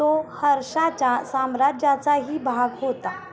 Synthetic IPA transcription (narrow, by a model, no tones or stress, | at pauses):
ohəɾʂat͡ɕasamɾad͡ʒjat͡saɦiːbʱaɡɦot̪a